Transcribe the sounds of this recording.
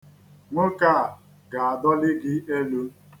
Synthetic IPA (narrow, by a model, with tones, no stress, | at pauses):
ŋo˦ka˦˨ | ɡa˨a˨dɔ˦lɪ˦ɡɪ˦e˦lu˦